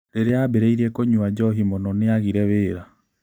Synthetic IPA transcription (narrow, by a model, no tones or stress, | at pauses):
ɾeɾeabeɾeiɾɛkoɲuad͡ʒɔɦimɔnɔneaɣiɾɛβeːɾa